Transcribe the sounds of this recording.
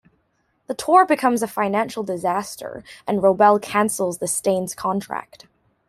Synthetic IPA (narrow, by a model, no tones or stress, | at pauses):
ðətʰɔɹbɨkʰʌ̃mzɨfãɪ̃næ̃nʃl̩ˠdɨzæstə̰˞ʔɨ̃nɹoʊbɛlˠkʰæ̃nsl̩ˠzðɨstẽɪ̃nz̥kʰɑ̃ntʰɹ̥æ̰k̚t̚